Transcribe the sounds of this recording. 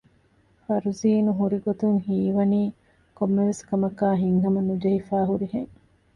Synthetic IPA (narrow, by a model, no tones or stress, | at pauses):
fɐɾuziːnuɦuɾiɡot̪uŋhiːʋɐniː | komːeʋeskɐmɐkaːɦiŋɦɐmɐnud͡ʒɐhifaːɦuɾiheŋ